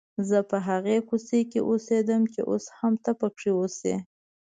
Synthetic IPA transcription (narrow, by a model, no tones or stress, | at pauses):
zəpəɦaɣekusekeʔosed̪əmt͡ʃḛʔo̰shamt̪apəkʂiwosḛ